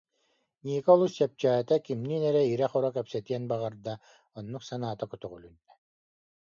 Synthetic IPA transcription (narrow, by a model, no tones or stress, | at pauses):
niːkɔlˠusɛp̚t͡ɕaːt̪akimniːnɛɾɛiɾɛχɔɾɔkɛpsɛt̪iɛnbaʁaɾd̪a | ɔnːuqsanaːt̪akut̪ɔʁulynd̪ɛ̥